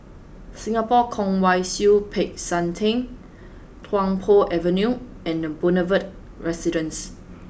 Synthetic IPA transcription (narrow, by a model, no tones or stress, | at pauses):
sĩŋapɔkʰɔ̃ŋwajsupʰek̚sãntʰẽn | tʰwãŋpʰɔʔɛvə̃nju | ɛ̃nəbɔnəvət̚ | ɹɛsidə̃ns